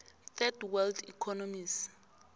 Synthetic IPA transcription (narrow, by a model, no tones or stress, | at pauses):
θɛdwɛldikʰɔnɔmis